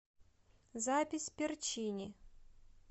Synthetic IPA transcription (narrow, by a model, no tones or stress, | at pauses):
zapʲɪsʲpʲɪrt͡ɕinʲɪ